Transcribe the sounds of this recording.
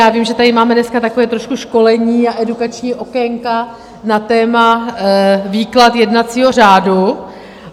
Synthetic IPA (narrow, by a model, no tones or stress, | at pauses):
jaːvimʒɛt̪adɪmaːmɛdnɛskat̪ako̞vɛːt̪ɾoʃkuʃko̞lɛɲiːaʔɛdukat͡ʃɲiːʔo̞kɛŋka | nat̪ɛːma | viːklat̪jɛdnat͡siːɦo̞r̝aːdu